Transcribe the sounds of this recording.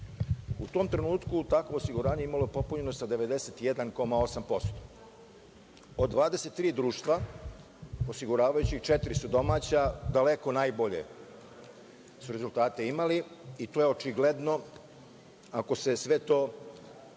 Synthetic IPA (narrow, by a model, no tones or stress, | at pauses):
ut̪o̞ːmt̪ɾe̞nuːt̪kut̪akʋosiɡuɾaːɲe̞imaloepo̞puɲeno̞sad̪e̞ʋe̞d̪e̞set̪je̞d̪anko̞mao̞sampo̞st̪o | od̪ːʋaːd̪e̞se̞t̪ːɾiːd̪ɾuːʃt̪ʋa | o̞siɡuɾaːʋajut͡ɕixt͡ʃe̞t̪iɾisud̪o̞maːt͡ɕad̪ale̞ko̞naːjbo̞ʎe̞̰ | suɾe̞zult̪aːt̪e̞imaliit̪oːje̞o̞t͡ʃiɡle̞d̪no̞ | ako̞se̞sʋe̞t̪o̞ː